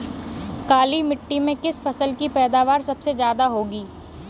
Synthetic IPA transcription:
kaːlimɪʈːimẽkɪsfʰɐsəlkipɛːd̪aːʋaːɾsɐbsezjaːd̪aɦoːɡiː

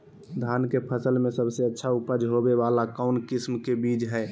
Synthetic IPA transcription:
d̪ʱaːnkepʰəsəlmẽsəbseətːʃʰaupəd͡ʒɦobeʋalakɔʊnkɪsmkebiːd͡ʒɦɛː

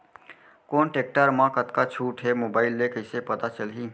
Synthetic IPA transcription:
koːnʈeːk̚ʈəɾmãkət̪kat͡ʃʰuːʈɦemoːbaːɪlːekəɪsepət̪at͡ʃəlɦiː

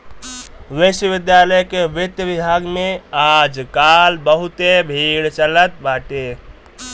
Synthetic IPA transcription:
ʋeʃəʋid̪jaləjkeʋit̪jəbibʱaɡmead͡ʒkalbəɦut̪ebʱiɽt͡ʃələt̪baʈe

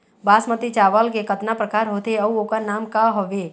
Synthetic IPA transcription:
baːsmət̪it͡ʃaːʋəlkekət̪napɾəkaːɾɦoːt̪eɐuokanaːmkaɦoʋeː

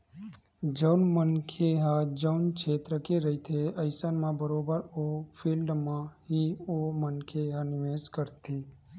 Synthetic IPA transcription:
d͡ʒəʊnmənkʰeɦad͡ʒəʊnkʰeːt̪ɾəkeɾɐit̪ʰeɐɪsənmãbəɾoːbəɾopʰiːlɖmãɦiomənkʰeɦãnɪʋeːskəɾt̪ʰiː

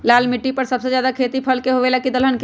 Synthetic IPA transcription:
laːlmɪʈːipɐɾsɐbsed͡ʒjaːd̪akʰeːt̪ipʰəlkeɦoʋelakid̪əlɦənk

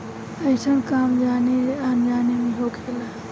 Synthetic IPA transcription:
əɪsʰənkaːmd͡ʒaniand͡ʒaːnemẽɦokʰela

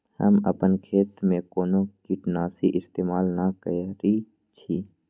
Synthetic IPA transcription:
hə̰mə̰pənkʰeːt̪mẽkoːnokiʈnaːsiʔɪst̪eːmaːlnakə̰ɾi | t͡ʃʰiː

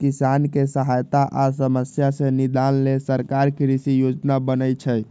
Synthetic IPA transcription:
kisankesəɦajt̪aʔasəməsjasẽnid̪anlesəɾkaɾkɾisijod͡ʒnabənət͡ʃʰəj

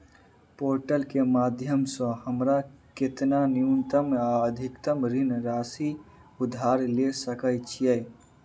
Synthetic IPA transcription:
poɾʈəlkemad̪ʱjəmsə̃həmɾaket̪naniunt̪əmaəd̪ʱikt̪əmɾinɾasi | ud̪ʱaɾlesəkəjt͡ʃʰijɛ

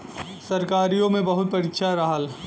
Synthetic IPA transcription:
sɐɾkaːɾijõmẽbɐɦʊt̪̚pɐɾikʃʰaɾɐɦəl

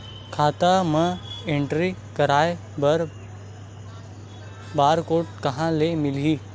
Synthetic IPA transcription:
kʰaːt̪amə̃ẽɳʈɾikəɾaːe | bɐɾ | baːɾkoːʈ̚kɐɦãlemɪliː

